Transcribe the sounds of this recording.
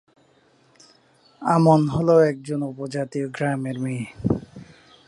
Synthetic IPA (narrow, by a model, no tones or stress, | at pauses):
amonɦoloɛk̚d͡ʑonupod͡ʑat̪ioɡɾameɾmi